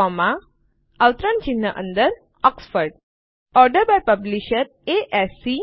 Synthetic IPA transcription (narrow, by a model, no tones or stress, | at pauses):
ɔma | əʋt̪ɾənt͡ɕinːəʔə̰nd̪əɾ | ɔksfəɾɖ | ɔɾɖəɾbajpəbliɕəɾ | eʔɛsi